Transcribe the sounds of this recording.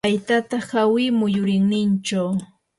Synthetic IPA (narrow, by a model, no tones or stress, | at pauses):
ajt̪at̪ahawɪmʊjʊɾɪŋnɪnt͡ʃaw